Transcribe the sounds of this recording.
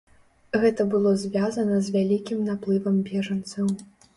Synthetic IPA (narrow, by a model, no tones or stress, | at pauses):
ɣɛt̪ɐbɨlˠɔzʲvʲazɐnɐzʲvʲalʲikʲimnaplˠɨvɐmbʲɛʐɐnt̪sɐw